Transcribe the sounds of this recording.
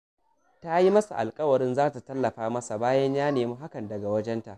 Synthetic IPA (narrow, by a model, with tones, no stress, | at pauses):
ta˦ji˦mɐ˦sa̰˨ʔa̰˨lkʼɐ˦wɐ˨ɾɪ˦nzaː˦ta˨tɐ˦lːɐ˨ɸaː˦mɐ˦sa˨baː˦jɐ˦ɲjaː˦neː˨muː˦ɦa˦kɐ˨ndɐ˨ɡa˨wɐ˦d͡ʒɛ˦nta˨ʔ